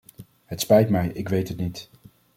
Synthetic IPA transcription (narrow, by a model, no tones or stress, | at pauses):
ɦətspɛjtmɛjɪkʋejtɦətnit